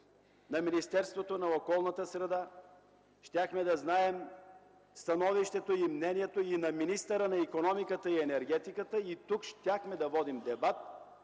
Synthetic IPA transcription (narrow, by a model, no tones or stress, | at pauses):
nɐminist̪ɛɾst̪vot̪onɐokɔlˠnɐt̪əsɾɛd̪a | ʃt̪ʲaxmɛd̪ɐznaɛm | st̪ɐnɔviʃt̪ɛt̪oimnɛnijɛt̪oinɐminist̪əɾənɐikonɔmikət̪əiɛnɛɾɡɛt̪ikət̪əit̪ukʃt̪ʲaxmɛd̪ɐvɔd̪imd̪ɛbat̪̚